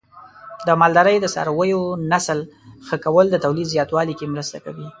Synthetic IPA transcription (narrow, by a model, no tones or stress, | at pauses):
d̪əmɑld̪aɾəjd̪əsɑ̰ɾawəjonaslxəkawəld̪ət̪awlid̪zjɑt̪wɑlikemɾəst̪aka̰wi